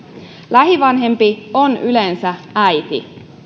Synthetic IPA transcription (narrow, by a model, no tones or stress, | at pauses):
læɦiʋɑnɦe̞mpionylensææjt̪ḭ